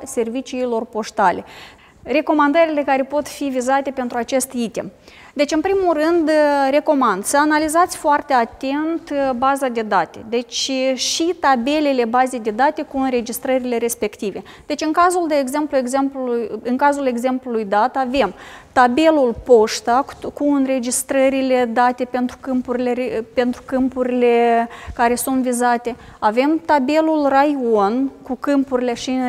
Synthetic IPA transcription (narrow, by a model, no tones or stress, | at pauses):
se̞rvit͡ʃiːlo̞rpo̞ʃt̪ale̞̰ | re̞ko̞mand̪əɾile̞kaɾe̞po̞t̪fivizat̪e̞pe̞nt̪ɾuat͡ʃe̞st̪it̪ḛm | d̪e̞t͡ʃɨnpɾimulrɨnd̪ɾe̞ko̞mand̪səanalizat̪sʲfoart̪e̞at̪e̞nt̪bazad̪e̞d̪at̪e̞̰d̪e̞t͡ʃʲʃit̪abe̞le̞le̞baze̞jd̪e̞d̪at̪e̞kuɨnɾe̞d͡ʒist̪ɾəɾile̞ɾe̞spe̞kt̪ive̞ | d̪e̞t͡ʃʲɨŋkazuld̪eeɡze̞mplue̞ɡze̞mpluluɨŋkazule̞ɡze̞mplulujd̪at̪ave̞mt̪abe̞lulpo̞ʃt̪ḁkuɨnre̞d͡ʒist̪ɾəɾile̞d̪at̪e̞pe̞nt̪ɾukɨmpuɾileɾepe̞nt̪ɾukɨmpuɾile̞kaɾe̞sunt̪vizat̪e̞ | ave̞mt̪abe̞lulrajonkukɨmpuɾile̞ʃi